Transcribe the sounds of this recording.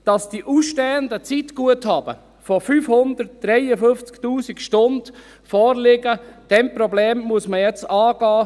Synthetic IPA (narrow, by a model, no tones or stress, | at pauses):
d̥ɑsd̥iʔusʃtɛːəndət͡sitɡ̥uəthɑːb̥ə̰ | fɔfyːfhʊnd̪ərt̚d̥ɾɛjəfɵft͡sktuːsikʃtʊnd̥ | fɔːrlɪɡəd̥ɛmpɾɔbleːmːuəsməjɛt͡sɑːɡ̥ɑː